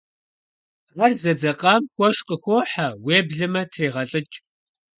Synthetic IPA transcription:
ʁɐrzɐd͡zɐqʼɑːmxʷɔʃqəxʷoːħaweːbɮɨmɐtʰriːʁɐɬʼɨt͡ʃʼ

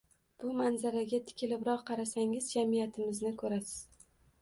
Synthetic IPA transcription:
b̥ʊmanzaɾaɡʲat̪ʰɪ̥kʲʰɪlɪbɾɒqqʰːɑɾasaŋɪzd͡ʒamijat̪ʰɪmɪznɪkʰɵɾasɪ̥z̥

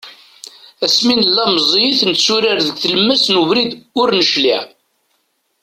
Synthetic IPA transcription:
æsminəlːɑmzˤjiθnt̪suɾaɾðəɡʷθələmːæsnuvɾid̪ʊɾnəʃliʕ

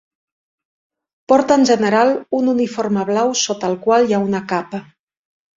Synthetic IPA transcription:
pɔɾt̪əːnʲʒənəɾalˠununiforməβlawsot̪əlˠkwalˠjaunəkapə

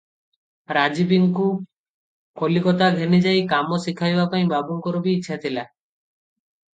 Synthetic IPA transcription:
ɾad͡ʒibiŋku | kolikɔt̪aɡʱenid͡ʒajkamɔsikʰajbapaĩbabuŋkɔɾɔbiːtːʃʰat̪ʰila

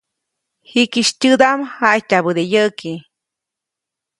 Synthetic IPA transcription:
hikiʃtʲɨd̪amhaʔjtabɨd̪ejəki

